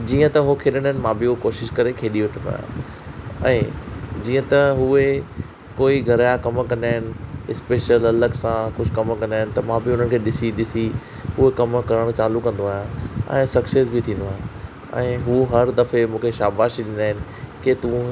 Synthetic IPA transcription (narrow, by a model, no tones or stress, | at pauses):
d͡ʑiːə̃t̪ɐɦokʰeːɗəɽ̃aːɦɪnɪ̆mãːbɪukoːʃɪʃkɐɾekʰeːɗiʊʈʰə̃nd̪o̰ːjã̰ | ɛ̃ːd͡ʑiːə̃t̪ɐɦue | koːiɡʱɐɾjakɐmkɐ̃nd̪aːɦɪnɪ̆ɪspeːʃəlɐləɡsãkʊd͡ʑʱkɐmkɐ̃nd̪aːɪnɪ̆t̪ɐmãːbɪʊn̤ənɪ̆kʰeːɗɪsiɗɪsi | ɦuekɐmkɐɾəɽ̃t͡ɕaːlukɐ̃nd̪oaːjãɛ̰̃ːsɐksesbɪt̪ʰĩːn̆d̪oaːɦɪ | ɛ̃ːɦuɦɐɾd̪ɐfemũːkʰeʃaːbaːʃiɗɪ̃nd̪aːɦɪnɪ̆ket̪ũ